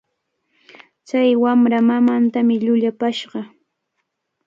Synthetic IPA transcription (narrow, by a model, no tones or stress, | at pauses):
t͡ʃajwamɾamamant̪amɪʎʊʎapaʃɢɑ